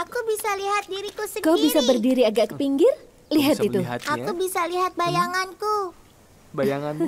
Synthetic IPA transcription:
ʔakubisaliɦat̪̚diɾikusikobisabərdiɾiaɡaʔkːəpiŋɡɪr | liɦat̪itt̪uʔakubisaliɦat̪̚bajaŋanku | ajaŋ

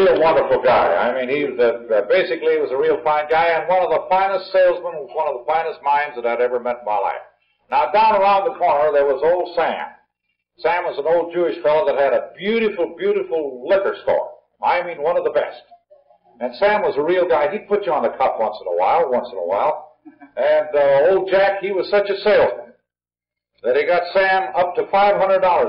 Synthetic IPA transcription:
ilˠwʌ̃ndə˞fl̩ˠɡaɪa̰ɪmĩniðɨbeɪsɨkliwʌzəɹilˠfãɪ̃nɡaɪɨ̃nwʌ̃nʌvðəfãɪ̃nɨstselˠzmə̃nwʌzwʌ̃nʌvðəfãɪ̃nɨst̚mãɪ̃nzðɨɾaɪvɛvə˞mɛɾnmaɪla̰ɪf | naʊdãʊ̃nə˞ãʊ̃nðəkʰɔɹnə˞ðə˞wʌzoʊlˠd̥sæ̰̃m | sæ̃mwʌzn̩oʊlˠd̚d͡ʒʉɨʃfɛlˠoʊðət̚hɨɾɨbjʉɾɨfl̩ˠbjʉɾɨfl̩ˠlɪkə˞stɔ̰ɹ | aɪmĩnwʌ̃nʌvðəbɛ̰st | ɨ̃nsæ̃mwʌzəɹilˠɡaɪid̚pʰʊt͡ʃɨə̃nðɨkʰʌpwʌ̃nsə̃nə̰wa̰ɪlˠwʌ̃nsə̃nə̰wa̰ɪlˠ | ɨ̃noʊlˠd̚d͡ʒækhiwʌz̥sʌt͡ʃɨseɪlˠzmə̃n | ðɨt̚hiɡɑtsæ̃mʌp̚tɨfaɪv̥ɦʌ̃ndɹədɔlˠə˞

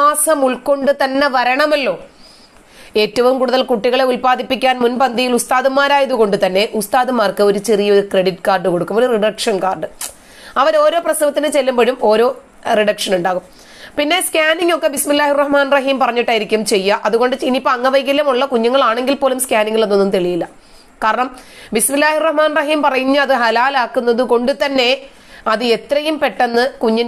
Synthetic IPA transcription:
aːsɐmuɭko̞ɳɖɨt̪ɐnːe̞ʋɐɾɐɳɐmɐlːo̞ː | e̞ːtːɐʋumkuːɽuðɐlkuʈːiɣɐɭe̞ulpaːðipːikʲːaːnmunpɐnd̪ijilust̪aːðumaːɾaːjɐðuɣo̞ɳɖɨt̪ɐnːe̞ʔust̪aːðumaːrkɨo̞ɾut͡ɕerijɐoɾukreɽiʈːkaːrɖɨko̞ɽukːumboɾuriɖɐkʂɐnkaːrɖɨ | ɐʋɐɾo̞ːɾo̞ːprɐsɐʋɐt̪ːinɨt͡ɕe̞lːumboːɽumo̞ːɾo̞ː | riɽɐkʂɐnuɳɖaːɣum | pinːe̞skʲaːniŋɡo̞kːebismilːaːhirɐhmaːnrɐɦiːmpɐrɐɲːiʈːaːjiɾikʲːumt͡ɕe̞jːɐʔɐðuɣo̞ɳɖɨt͡ɕinipːoɐŋːɐʋɐjkːilːɐmuɭːɐkuɲːɐŋːɐɭaːɳe̞ŋɡilpoːlumskʲaːniŋːɡːɐɭnːo̞nːumt̪eɭijilːɐ | kaːɾɐɳɐmbismilːaːhirɐhmaːnrɐɦiːmpɐrɐjiɲːɐɐðɨɦɐlaːlaːkːunːɐðɨko̞ɳɖɨt̪ɐnːe̞ | ɐðɨet̪ːrɐjumpe̞ʈːenːɨkuɲːɐn

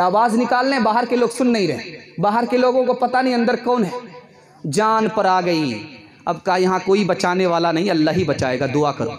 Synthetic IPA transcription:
aːʋaːznɪkaːlneɦɛbaːɦəɾkeloːɡsʊnːɐɦĩɾɛɦḛ̃baːɦəɾkeloːɡõkopɐt̪anɐɦĩɐ̃nd̪əɾkɔːnɦɛː | d͡ʒaːnpɐɾaːɡɐi | ɐbkajɐɦãkoːibɐt͡ʃaːneʋaːlanɐɦĩɐlːaːɦibɐt͡ʃaːeːɡad̪ʊakɐɾo̰ː

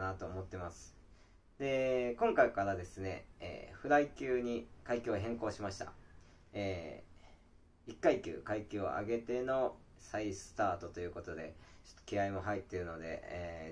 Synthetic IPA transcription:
nat̪oːmo̞t̪ːe̞masɨ̥ | d̪̥e̞kõŋkaikaɾad̪e̞sɨne̞̰ḛːɸɯ̟ɾaikʲɨːɲ̟ikaikʲɨːɦẽ̞ŋko̞ːɕimaɕi̥t̪a̰ | e | ikːaikʲɨ̰ːkaikʲɨːo̰ʔa̰ɡe̞t̪e̞no̞ | saisɨ̥t̪aːt̪o̞t̪o̞jɯ̟ːko̞t̪o̞d̪e̞t͡ɕo̥t̪ːo̥kʲiaimo̞ɦait̪ːe̞ɾɯ̟no̞d̪e̞̰

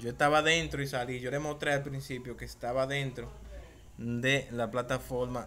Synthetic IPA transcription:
d͡ʒoest̪aβaðe̞nt̪ɾoisaliʝo̞lemo̞st̪ɾe̞alpɾinsipjo̞ke̞ːst̪aβaðe̞nt̪ɾo̞ | d̪e̞laplat̪afo̞ɾma

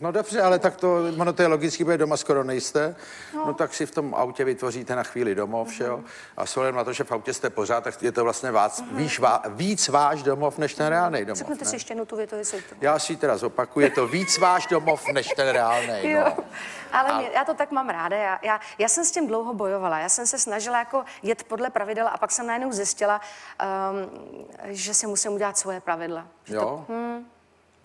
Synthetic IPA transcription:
no̞dobrɛʔalɛt̪akt̪oonot̪ojɛlo̞ɡɪt͡skiːpɾoʒɛdomaskoɾo̞nɛjst̪ɛ | not̪aksɪft̪o̞ma̰wcɛvɪt̪vo̞riːt̪ɛnaxviːlɪdo̞mo̞fʒ̥ɛo | ʔa̰sowhladɛmnat̪o̞ʒɛfʔawcɛst̪ɛpo̞r̝aːt̪̚ːakjɛt̪ovlast̪ɲɛvaːsviːʃvaːviːt͡svaːʃdomo̞fnɛʃt̪ɛnɾɛaːlnɛjdomzɛknut̪ɛsɪʃcɛjnut̪uvjɛt̪ovɪsɛj̪ujaːsɪt̪ɛɾazo̞pakujɛt̪o̞viːt͡svaːʒdomofnɛʃt̪ɛnɾɛaːlnɛjjoʔalɛɛjaːt̪ot̪akmaːmɾaːdajaːjaː | jaːsɛmscɪmdlowɦobo̞jovalajaːsɛmsɛsnaʒɪlajako̞ | jɛt̪po̞dlɛpɾavɪdɛlʔa̰paksɛmnajɛdnowzjɪscɪla | ʒɛsɪmusɪmuɟɛlat̪svo̞jɛpɾavɪdlajom̩

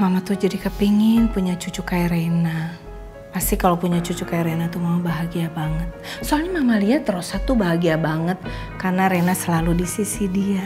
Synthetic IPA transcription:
mamat̪ud͡ʒadikəpiŋɪŋpuɲat͡ʃut͡ʃukaiɾena | past̪ikalopuɲat͡ʃut͡ʃukaiɾenat̪umaubaɦaɡiabaŋət̪̚soalɲamamaliɦat̪rosat̪ubaɦaɡiabaŋət̪̚ | karnaɾenasəlaludisisidia

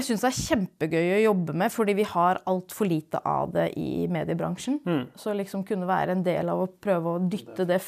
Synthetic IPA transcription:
sʏnsd̪ɛæɾçɛmpəɡœʏɔjɔbːəmɛfɔɖiːʋɪhɑɾɑlt̪fɔɭiːt̪ə̰ʔɑ̰ʋd̪ɛ̰ʔɪ̰meːd̪ɪəbɾɑ̰ŋʂn̩sɔlɪksɔmkʰʉnːəʋæ̰ːɾəɛnd̪ḛːlɑ̰ʋɔpʰɾøːʋəɔd̪ʏt̪ːəd̪ɛ

